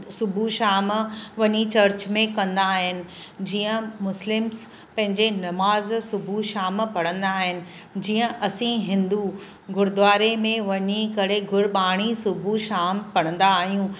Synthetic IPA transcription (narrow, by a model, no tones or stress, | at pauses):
sʊbʱuʃaːmʋɐɲit͡ɕɐɾt͡ɕmẽkɐ̃nd̪aːɦɪnɪ̆d͡ʑiːə̃mʊslɪms | pɐ̃ɦɪ̃ɲd͡ʑenɐmaːzsʊbʱuʃaːmpɐɽə̃nd̪aːɦɪnɪ̆ | d͡ʑiːə̃ʔɐsĩɦɪ̃nd̪u | ɡʱʊɾd̪ʋaːɾemẽʋɐɲikɐɽ̤eɡʱʊɾɓaːɽ̃isʊbʱuʃaːmpɐɽ̤̃ə̃nd̪aːɦijũ